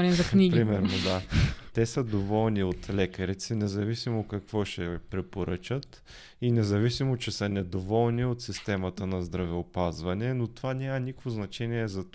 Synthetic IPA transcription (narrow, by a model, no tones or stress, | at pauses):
nizɐkniɡpɾimɛɾnod̪at̪ɛsəd̪ovɔlˠniot̪lɛkəɾit̪sɛnɛzɐvisimokɐkvɔʃɛpɾɛpoɾɤt͡ʃət̪ | inɛzɐvisimot͡ʃɛsənɛd̪ovɔlˠniot̪sist̪ɛmət̪ənɐzd̪ɾɐvɛopazvɐnɛnot̪ovanʲamɐnikkvoznɐt͡ʃɛniɛzɐt̪